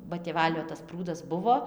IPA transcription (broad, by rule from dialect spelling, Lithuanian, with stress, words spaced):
bɐ tʲeːˈʋɑːlʲoː tɐs ˈpruːdɐs ˈbʊʋoː